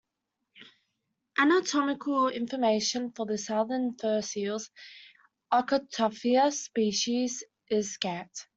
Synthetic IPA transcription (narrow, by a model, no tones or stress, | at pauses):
ʔanətʰɒmɪkʰəlɪ̰̃ɱfəmeɪʃə̃nfəðəsʌðənfɜːˑsiːlˠz̥ | ɑkətʰɔfiəspiˑʃiz | ɪz̥skat